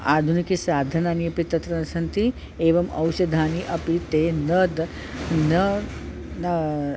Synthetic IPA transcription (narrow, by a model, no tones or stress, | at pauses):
aːd̪ʱunikisaːd̪ʱɐnaːniɐpit̪ɐt̪ɾɐnɐsɐnt̪i | eːʋɐmɐ̰wʃɐd̪ʱaːniʔɐpit̪eːnɐd̪ | nɐ | n